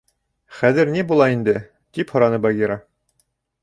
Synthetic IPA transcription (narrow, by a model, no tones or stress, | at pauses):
χæðɘ̆ɾnibulˠɑind̪ɘ | t̪iphŏɾɑnɤbɑɡʲiɾɑ